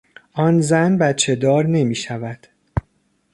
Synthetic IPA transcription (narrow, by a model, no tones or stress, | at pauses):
ʔɒːnzænbæt̪t͡ʃʰe̞d̪ɒːɾne̞miːʃævæd̪̥